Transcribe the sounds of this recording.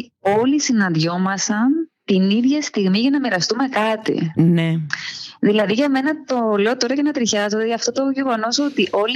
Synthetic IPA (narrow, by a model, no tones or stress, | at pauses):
o̞lisinɐnðʝo̞mɐsɐnt̪iniðʝɐst̪iɣmiʝɐnɐmiɾɐst̪ume̞kɐt̪ḭneðilɐðiʝɐme̞nɐt̪o̞le̞ot̪o̞ɾɐce̞nɐt̪ɾiçɐzod̪eʝɐft̪ot̪o̞ʝe̞ɣo̞no̞so̞t̪iʔo̞l